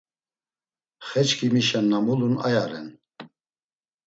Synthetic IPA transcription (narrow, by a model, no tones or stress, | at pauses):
χɛt͡ʃkʰimiʃɛnːamulunajaɾɛ̰n